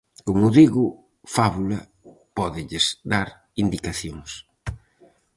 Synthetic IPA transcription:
koŋʊðiɣʊ | faβulɐ | pɔðɪʎɪzd̪aɾ | ind̪ikaθjoŋs

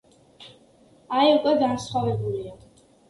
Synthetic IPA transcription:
aiukʼwɛɡansχwavɛbulia

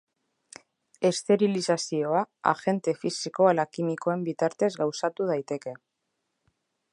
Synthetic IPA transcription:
e̞st̪e̞ɾilisasio̞aa̰xe̞nt̪e̞fisiko̞alakimiko̞e̞mbit̪aɾt̪e̞zɣawsat̪uð̞ajt̪e̞ke̞

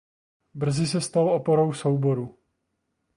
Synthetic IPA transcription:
br̩zɪsɛst̪alʔopoɾo̞wso̞wbo̞ɾu

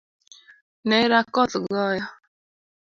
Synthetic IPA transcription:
neɪɾakɔtʊɡɔjɔ

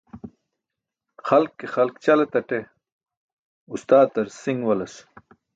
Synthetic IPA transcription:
xɐlkːexɐlkt͡ɕɐlet̪ɐʈe | ust̪aːt̪ɐɾsiŋɡwɐlɐs

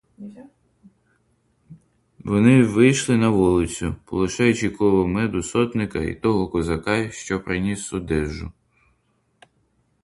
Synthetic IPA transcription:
ʋɔnɪʋɪjʃlˠɪnɐʋɔlˠɪt͡sʲʊpɔlˠɪʃɑjʊt͡ʃikˠɔʋɔmɛd̪ʊsɔt̪nɪkɐḭt̪ɔɦɔkɔzɐkɑʃt͡ʃɔpɾɪnʲisɔd̪ɛʒʊ̰

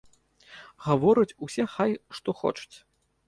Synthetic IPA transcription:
ɣavɔɾɨt͡sʲusʲɛxajʂt̪ɔxɔ̰t͡ʂɐ̥t͡sʲ

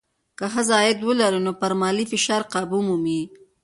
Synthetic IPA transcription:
kaxazɑjɪd̪wəlaɾunopaɾmɑlifɪʃɑɾqɑbumumi

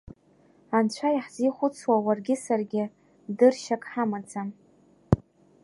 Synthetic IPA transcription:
ant͡ɕʷʰajħziχʷʊt͡sʰwawarɡʲɪsarɡʲɪ | dɨrʃakʼħamat͡sʰʼam

